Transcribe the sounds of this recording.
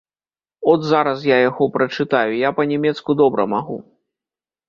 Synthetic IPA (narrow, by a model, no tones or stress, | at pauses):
ɔd̪zaɾɐs̬jajaɣɔpɾɐt͡ʂɨt̪ajujapɐnʲɛmʲɛt̪skud̪ɔbɾɐ̰maɣu